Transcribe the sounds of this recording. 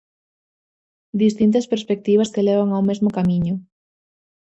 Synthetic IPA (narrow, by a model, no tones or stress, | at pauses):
d̪ist̪int̪ɐspeɾspek̚t̪iβ̞ɐskeleβ̞aŋawmezmokamiɲʊ